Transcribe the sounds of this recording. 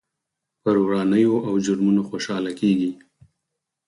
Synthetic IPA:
pəɾowɾɑnəjoʔawd͡ʒʊɾmunoxoʃɑlakeɡi

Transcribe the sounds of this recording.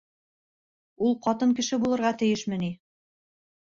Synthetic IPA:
ulˠqɑt̪ɤŋkɘ̆ʃɘbulˠɤ̆ɾʁɑt̪ɘ̆jɘʃmɘ̆ni

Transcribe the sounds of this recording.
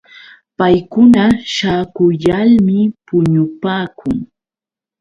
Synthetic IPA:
pajkʊnaʃaːkʊʎalmɪpʊɲʊpaːkʰʊŋ

